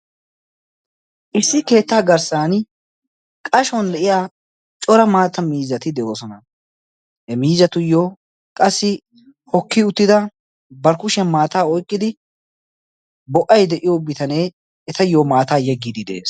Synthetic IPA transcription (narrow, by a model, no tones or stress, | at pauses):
ʔɪsːɪke̞ːt̪ːaːɡɐɾsaːn | kʼɐʃɔnlɛʔɪjaː | t͡ʃʼɔɾɐmaːt̪ːɐmiːzːɐt̪ɪd̪ɛʔoːsɔnɐ | ɛmiːzɐt̪ʊjoː | kʼɐsːɪ | hɔkːɪʊt̪ːɪd̪ɐ | bɐɾkʊʃɐmaːt̪aːɔjkʼːɪd̪ɪ | bɔʔɐjd̪ɛʔɪjobɪt̪ɐneː | ɛt̪ɐjoːmaːt̪aːjɛɡːid̪ɪd̪ḛːs